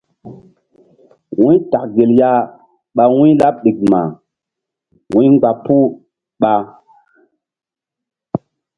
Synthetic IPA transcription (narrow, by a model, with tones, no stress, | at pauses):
wĩ˦ta˨kɡe˨lja˦ | ɓa˨wĩ˦la˦p̚ɗi˨k̚ma˨ | wĩ˦ŋɡ͡ba˨pu˦ | ɓa˨